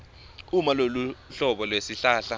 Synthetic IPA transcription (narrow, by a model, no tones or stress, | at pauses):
umaloluɬɔɓɔlwesiɬaːɬa